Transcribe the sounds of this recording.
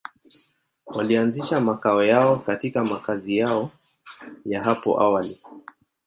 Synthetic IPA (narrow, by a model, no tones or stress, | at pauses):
walianziʃamakaɔjaɔkatikamakazijaɔ | jaɦapɔ̰ʔawali